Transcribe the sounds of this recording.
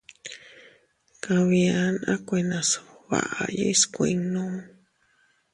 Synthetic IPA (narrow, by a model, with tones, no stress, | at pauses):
kã˧βĩ˧a˧nã˦kʷe˧nã˧su̥βa̰˨ʔa˧jo̰˦i˦skʷĩ˧ŋnõ˦